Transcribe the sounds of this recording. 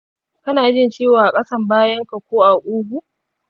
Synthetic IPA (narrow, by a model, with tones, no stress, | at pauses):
kɐ˦naː˨d͡ʒɪ˦nt͡ʃeː˦waː˨a˨kʼɐ˦sɐ˦˨mbaː˦jɐ˦ŋka˨kʷoː˦ʔa˨ʔʷuː˦ɡʷu˨